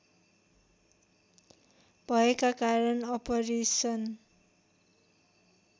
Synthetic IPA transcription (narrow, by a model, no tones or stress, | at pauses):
bʱʌekakaɾʌnʌpʌresʌn